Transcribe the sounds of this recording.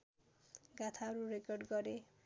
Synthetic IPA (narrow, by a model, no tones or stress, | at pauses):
ɡat̪ʰaʌɾurekʌrɖɡʌɾe